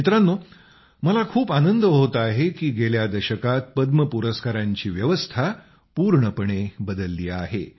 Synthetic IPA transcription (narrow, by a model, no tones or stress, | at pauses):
it̪ɾanːu | məlakʰuːpanənd̪əɦot̪əaɦekiːɡeljad̪əɕəkat̪̚pəd̪məpuɾəskaɾaɲt͡ɕiːʋjəʋəst̪ʰa | puɾɳəpəɳebəd̪əlːiːa̰ɦḛ